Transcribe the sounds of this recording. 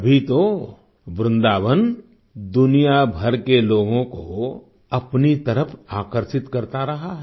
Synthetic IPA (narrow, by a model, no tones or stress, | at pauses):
ɐbʱit̪o | bɾɪ̃nd̪aːʋən | d̪ʊnijabʱɐɾkeloːɡõko | ɐpnit̪ɐɾəpʰaːkəɾʃɪt̪kɐɾt̪aɾɐɦaɦ